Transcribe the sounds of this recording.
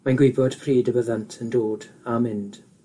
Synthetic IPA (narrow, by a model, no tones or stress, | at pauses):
manɡwɪbɔd̥pʰriːdəbəðantʰəndoːdamɪnd̥